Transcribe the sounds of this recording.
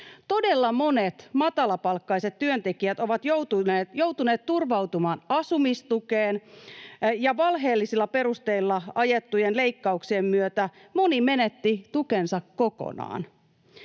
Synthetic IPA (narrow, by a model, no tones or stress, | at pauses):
t̪o̞delːɑmo̞net̪mɑt̪ɑlɑpɑlkːɑiset̪tyønt̪ekiæt̪o̞ʋɑt̪jowt̪ːjout̪uneːt̪t̪urʋɑwt̪umɑːnɑsumist̪ukeːn | jɑʋɑlɦe̞ːlːisilːɑpe̞rust̪e̞ilːɑɑjet̪ːujenle̞ikːɑuksiemːyøt̪æ | mo̞nime̞net̪ːit̪ukensɑkːoko̰nɑ̰ːn